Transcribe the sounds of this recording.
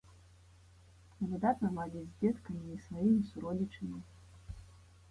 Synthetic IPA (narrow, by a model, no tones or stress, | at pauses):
nɐvɨd̪at̪nɐmˠadʲid͡zʲzʲd͡zʲɛt̪kɐmʲiisvajimʲisuɾɔlʲit͡ʂɐmʲi